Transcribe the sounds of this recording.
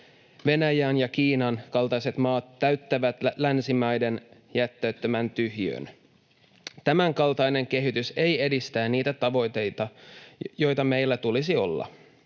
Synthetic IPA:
ʋe̞næjæːnjɑk̟iːnɑnkɑlt̪ɑjse̞t̪mɑːt̪ːæɥt̪ːæʋæt̪lænsimæjdenjæt̪ːøːt̪ːømænt̪yɦjø̰n | t̪æmæŋkɑlt̪ɑjne̞ŋk̟e̞ɦit̪yse̞je̞dist̪æːnniːt̪æt̪ɑʋo̞jt̪e̞jt̪ɑjo̞jt̪ɑmejlːæt̪ulisio̞̰lːɑ̰

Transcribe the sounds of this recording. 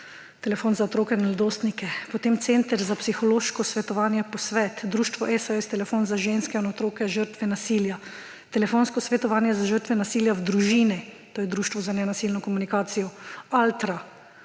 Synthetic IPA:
t̪ɛlɛfoːnzaot̪ɾoːkɛnɛld̪oːst̪nikɛpɔt̪emt̪sent̪əɾzapsixɔloːʃkɔsʋɛt̪ɔʋaːnjɛpɔsʋɛːt̪d̪ɾuːʃt̪ʋɔʔɛsajɛst̪ɛlɛfoːnzaʒenskɛinɔt̪ɾoːkɛʒəɾt̪ʋɛnasiːlja | t̪ɛlɛfoːnskɔsʋɛt̪ɔʋaːnjɛzaʒəɾt̪ʋɛnasiːljawd̪ɾuʒiːnit̪oːjɛd̪ɾuːʃt̪ʋɔzanɛnasilnɔkɔmunikaːt̪sijɔalt̪ɾa

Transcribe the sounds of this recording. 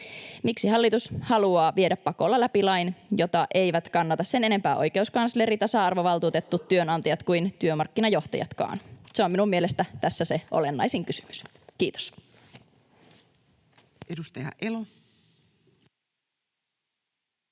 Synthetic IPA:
miksiɦɑlːit̪ushɑluɑːʋie̞dæpːɑko̞lːɑlæpilɑjnjo̞t̪ɑʔe̞jʋæt̪kɑnːɑt̪ɑsse̞ne̞ne̞mpæːʔo̞̰jke̞uskɑnsleɾit̪ɑsɑɑrʋo̞ʋɑlt̪uːt̪et̪ːut̪ːyø̞nɑnt̪ɑjɑt̪kujnt̪yømɑrkːinɑjo̞ht̪ɑjɑ̰t̪kɑ̰ːnseo̞minumie̞le̞st̪æt̪æsːæse̞ʔo̰lenːɑ̰jsiŋkysy̥my̥s | kiːt̪o̥s | edust̪ɑjɑ̰ʔelo

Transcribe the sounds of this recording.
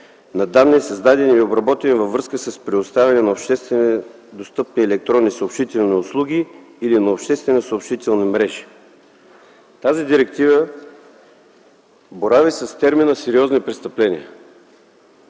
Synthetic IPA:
nɐd̪annːiɛsɐzd̪ad̪ɛniiobɾɐbɔt̪ɛnivəvːɾɤskəsəspɾɛʊst̪avʲɛnɛnɐopʃt̪ɛst̪vɛn | d̪ost̪ɤp̚niɛlɛk̚t̪ɾɔnːisəopʃt̪it̪ɛlˠniʊslˠuɡ̟ʲiː | linɐopʃt̪ɛst̪vɛnəsopʃt̪it̪ɛlˠnimɾɛʒi̥ | t̪azid̪iɾɛkt̪ivə | boɾavisɐst̪ɛɾminəsɛɾiɔznipɾɛst̪ɐplɛnʲiə

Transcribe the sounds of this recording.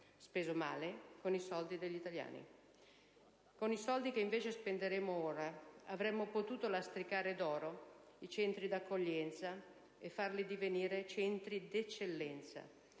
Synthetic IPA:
speːzoma̰ːlekonisɔld̪id̪eʎːit̪alja̰ːnḭ | konisɔld̪ikeiɱveːt͡ʃespend̪eɾeːmooːɾaavɾɛmːopot̪uːt̪olast̪ɾikaːɾed̪ɔːɾo | it͡ʃɛnt̪ɾid̪akʰːoʎːɛnt̪sa | efːarlid̪iveniːɾet͡ʃɛnt̪ɾid̪et͡ʃːelːɛnt̪sa̰

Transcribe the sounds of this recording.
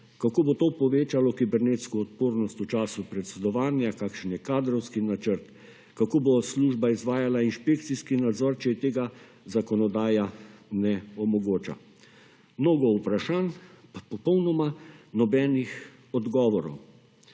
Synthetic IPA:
kakoːbot̪oːpɔʋeːt͡ʃalɔkibɛɾneːt̪skɔːt̪poːɾnɔst̪ut͡ʃaːsupɾɛt̪sɛd̪ɔʋaːnjakaːkʃnjɛkaːd̪ɾɔwskinat͡ʃəɾt̪ | kakoːbosluːʒbaizʋaːjalainʃpekt̪siskinad̪zɔɾt͡ʃɛjɛt̪eːɡa | zakɔnɔd̪aːjanɛɔmɔɡoːt͡ʃa̰ | mnoːɡɔupɾaʃaːnpapɔpɔwnɔmanɔbɛnix | ɔd̪ɡɔːʋɔɾɔ̰w

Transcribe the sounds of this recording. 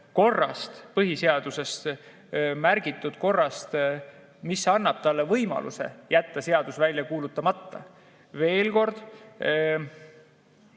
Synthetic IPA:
ko̞rːɑ̰st̪pɤɦise̞ɑd̪̥use̞st̪ | mærɡ̥it̪ːˑud̪̥ko̞rːɑst̪ | misɑnːɑb̥̚t̪ɑlːe̞vɤjmɑ̰lʔṵse̞̰jæt̪ːɑse̞ɑd̪̥usvælʲjɑkuːlut̪ːˑɑmɑt̪ːɑ̰ | ve̞ːlko̞rd̪̥

